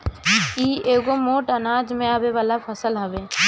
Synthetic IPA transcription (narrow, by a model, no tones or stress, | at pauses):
iːeːɡomoːʈənaːd͡ʒmẽaːbeʋaːlapʰəsəlɦɐʋeː